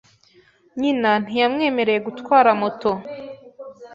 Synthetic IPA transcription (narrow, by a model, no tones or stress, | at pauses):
ɲinan̥ijamŋe̞ːme̞ɾe̞je̞ɡutkwaːɾamoto̞